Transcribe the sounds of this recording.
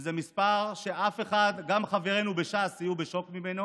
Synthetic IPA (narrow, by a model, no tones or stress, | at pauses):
zemispaʁʃe̞ʔafe̞χad̪ɡamχaveʁe̞nube̞ʃasajubeʃo̞kmimeno